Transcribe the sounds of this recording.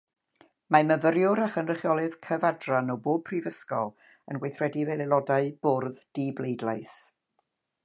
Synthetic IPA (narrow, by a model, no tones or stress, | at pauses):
maməvəɾjʊɾaχənrəχjɔlˠɨðkʰəvadranɔwboːb̚pʰrivəskɔ̰lˠ | ə̰nɡwejθrɛdivɛlˠɛlˠɔdaɨb̥orðd̥iblˠejdlˠaɨs